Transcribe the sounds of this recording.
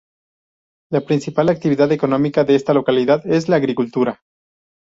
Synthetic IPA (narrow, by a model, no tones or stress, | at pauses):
lapɾinsipalak̚t̪iβ̞iðaðe̞ko̞nõ̞mikaðe̞est̪alo̞kaliðaðe̞zlaːɣɾikult̪uɾa